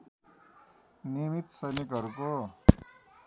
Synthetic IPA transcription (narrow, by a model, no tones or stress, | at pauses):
nimit̪sʌjnikɦʌɾuko